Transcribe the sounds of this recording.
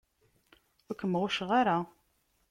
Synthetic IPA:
ʊkːəmːʁʊʃʁaɾa

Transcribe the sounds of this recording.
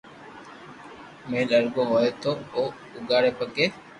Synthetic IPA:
mẽːləɾɡoːɦoːeːt̪oːoː | ʊɡaːɽeːpəkeː

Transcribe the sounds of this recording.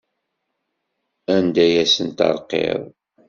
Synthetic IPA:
ænd̪æjæsənt̪ɑ̰ɾˤqḛðˤ

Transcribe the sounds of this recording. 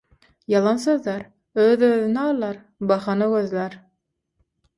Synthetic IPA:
jɑlˠɑns̬øðlæɾ | øðøðynæɑlˠɑɾ | bɑχɑnɯkøðlæɾ

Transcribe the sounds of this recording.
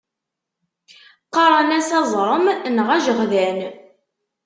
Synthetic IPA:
qɑɾˤənæsɑzˤɾˤəmnʁæʒəʁðæn

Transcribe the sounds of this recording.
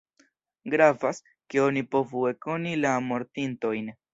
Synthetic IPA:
ɡɾavas | ke̞o̞nipo̞vue̞ko̞nilamo̞ɾtinto̞jn

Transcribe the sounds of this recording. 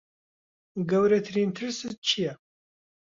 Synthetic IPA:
ɡɐwɾɐt̪ʰɾiːnt̪ʰɨɾsɨt̪̚t͡ʃʰijɐ

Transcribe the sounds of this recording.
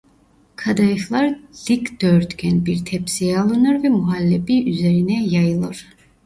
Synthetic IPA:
kʰad̪ajɯxlˠaɾd̪ikd̪̥øɾt̪ɡʲʰɛnbiɾt̪ʰɛpsijɛalˠɯnɯɾvɛmuɦalʲːebiyzeɾinɛjajɯlˠɯɾ̥

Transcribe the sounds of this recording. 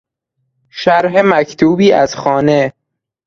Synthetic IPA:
ʃæɾɦemæcʰt̪ʰuːbiːæzxɒːne

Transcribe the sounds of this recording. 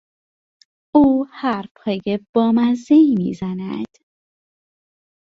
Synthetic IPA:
uːhæɾpʰɒːjeb̥ɒːmæzd̪eiːmḭːzænæ̰d̪̥

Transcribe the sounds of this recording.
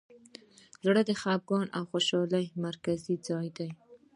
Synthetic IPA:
zɽəd̪əxab̚ɡɑnʔawxoʃɑlajmaɾkazid͡zɑjd̪aj

